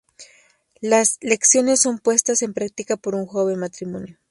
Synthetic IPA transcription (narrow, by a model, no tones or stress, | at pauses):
lasle̞ksjo̞ne̞sːo̞mpwe̞st̪ase̞mpɾak̚t̪ikapo̞ɾuŋxo̞βe̞nmat̪ɾimõ̞̰njo